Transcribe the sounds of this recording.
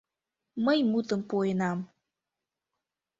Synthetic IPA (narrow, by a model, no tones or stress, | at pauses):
məjmut̪əmpojənɑm